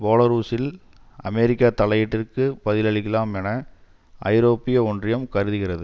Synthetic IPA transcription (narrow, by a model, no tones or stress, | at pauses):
boːlɐɾuːsɪl | ɐ̰mɛɾɪkːat̪ɐlɐjɪʈːɪrkɯpɐðɪlɐɭɪkːɪlaːmɛnɐ | ʔɐ̰ɪɾoːpːɪjɐɔndrɪjɐmkɐɾɯðɯɣɪrɐðɯ